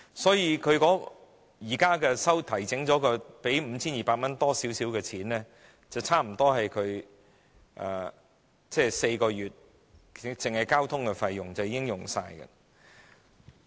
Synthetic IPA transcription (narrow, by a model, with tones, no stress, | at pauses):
sɔː˨˥jiː˧kʰɵ˨˧ɥkɔː˨˥ | jiː˨˩kaː˥kɛː˧sɐ˥wt̪ʰɐ˨˩jt͡sɪ˨˥ŋt͡sɔː˨˥kɔː˧pe˨˥jm̩˨˧t͡sʰiː˥njiː˨˩paː˧t̚mɐ˥nt̪ɔː˥siː˨˥wsiː˨˥wkɛː˧t͡sʰiː˨˥nlɛː˥ | t͡sɐ˨wt͡sʰaː˥m̩˨˩t̪ɔː˥ɦɐ˨jkʰɵ˨˧ɥ | ʔa̰ː˨˩ | t͡sɛː˥˩se˧jkɔː˧jyː˨t̚ | t͡sɪ˨ŋhɐ˨jkaː˥wt̪ʰʊ˥ŋkɛ˧fɐ˧jːʊ˨ŋt͡sɐ˨wjiː˧˥ɪ˥ŋjʊ˨ŋsa̰ː˧jkɐ̰˨